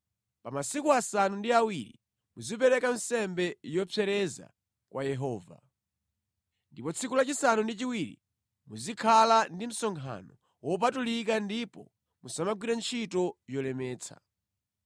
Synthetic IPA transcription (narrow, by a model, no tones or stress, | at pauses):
pamasikuasanundiawiɾḭ | muzip̬ɛɾɛkan̩sɛmbɛjɔpʰɛɾɛza̰ | kwajɛɦɔːva̰ | ndipɔt͡sʰikulat͡ʃisanundit͡ʃiwiɾḭ | muzikʰalandim̩sɔŋkʰa̰nɔ | wɔp̬atulik̬andipɔ | musamaɡwiɾɛnt͡ʃʰitɔjɔlɛmɛːt͡sʰa̰